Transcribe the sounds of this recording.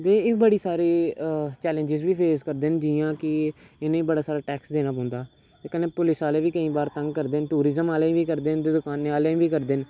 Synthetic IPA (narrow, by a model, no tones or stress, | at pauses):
d̪eːɪbəɽiːsaːɾeːt͡ʃɛːlẽɲd͡ʒɪzʋiːpʰeːskəɾd̪end͡ʒiːjãːkɪɪnẽːĩːbəɽaːsaːɾaːʈɛːksd̪eːnaːpɔ̃ːnd̪aː | t̪eːkəneːpʊlɪsaːleːʋiːkəĩːbaːɾt̪ə̃ŋɡkəɾd̪enʈuːɾɪzəmaːleːĩːʋiːkəɾd̪ent̪eːd̪ʊkaːnːẽːaːleːĩːʋiːkəɾd̪ɪn